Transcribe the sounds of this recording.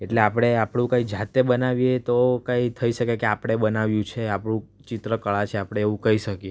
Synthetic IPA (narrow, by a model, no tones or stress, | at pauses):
eʈleapɽ̃eapɽ̃ũkãid͡ʒat̪ːebənaʋjet̪okãit̪ʰəiʃəkekeapɽ̃eɓənaʋjũt͡ʃʰeapɽũ | t͡ʃɪt̪ɾəkəɭat͡ʃʰeapɽ̃eːʋũkəiʃəkie